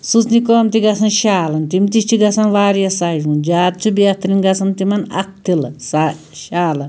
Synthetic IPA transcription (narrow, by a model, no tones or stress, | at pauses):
sut͡snikoːmt̪iɡɐsʰɐnʃaːlɐnt̪imt̪iʃt͡ʃʰiɡɐsɐnʋaːɾijɐsad͡ʒmund͡ʒaːt̪̚t͡ʃʰubiat̪ɾinɡɐsʰɐnt̪imɐnɐ̰k̚t̪ilsa | ʃaːlɐn